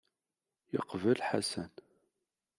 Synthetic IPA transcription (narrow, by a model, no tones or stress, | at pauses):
jəqvəlħasæn